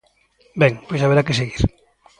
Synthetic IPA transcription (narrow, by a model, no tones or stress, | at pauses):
bɛŋpojsaβeɾakeseɣiɾ